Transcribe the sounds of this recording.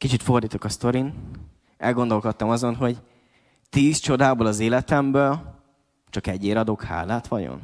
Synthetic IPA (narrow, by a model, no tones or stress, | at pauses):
kit͡ʃit̪fo̞rd̪iːt̪okɒst̪o̞ɾin | ɛ̰lɡo̞nd̪o̞lkot̪ːɒmɒzo̞nɦo̞ɟ | t̪iːst͡ʃo̞d̪aːbolɒzeːlɛt̪ɛmbøːl | t͡ʃɒkɛɟːeːɾɒd̪o̞kha̰ːlaːt̪ʋɒɟo̰n